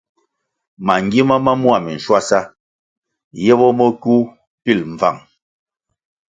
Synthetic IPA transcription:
ma˨ŋ˨ɡi˦ma˦ma˦mwa˨mi˨n̩˨ʃwa˦sa˦ | jɛ˦bɔ˦mɔ˦ku˦ | pi˦˨lm̩˨va̰˨ŋ

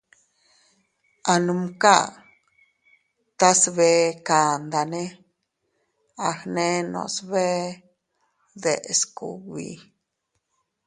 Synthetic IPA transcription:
a˧nũ˧mka˦ | t̪a˦sβe˧˦ka˨nd̪a˨nẽ˦ | a˧hnẽ˦nõ̰˧˨sβe˦ | d̪e˨ʔskṵ˨wḭ˧˨

